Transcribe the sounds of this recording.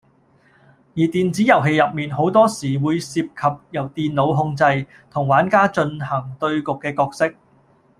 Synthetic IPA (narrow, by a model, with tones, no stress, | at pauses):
jiː˨˩t̪iː˨nt͡siː˨˥jɐ˨˩wɦe˧jɐ˨p̚miː˨nɦo˨˥wt̪ɔː˥siː˨˩wuː˨˧jsiː˧p̚kʰɐ˨p̚jɐ˨˩wt̪iː˨nlo˨˧wɦʊ˧ŋt͡sɐ˧j | t̪ʰʊ˨˩ŋwaː˨˥nkaː˥t͡ʃɵ˧nhɐ˨˩ŋt̪ɵ˧ɥkʊ˨kːɛː˧kɔː˧k̚sɪ˥k̚